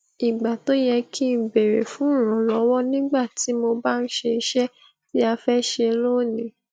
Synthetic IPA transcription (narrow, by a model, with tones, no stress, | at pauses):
i˨ɡ͡ba˨to˦jɛ˧ki˦˨be˨ɾe˨fũ˦˨ɾ̃ã˨˦lɔ˨˦wɔ˦nĩ˦ɡ͡ba˦˨ti˨˦mo˧ba˦n̩˦ʃe˧i˧˦ʃɛ˦ | ti˦a˧fɛ˦ʃe˧lo˦˨nĩ˨˦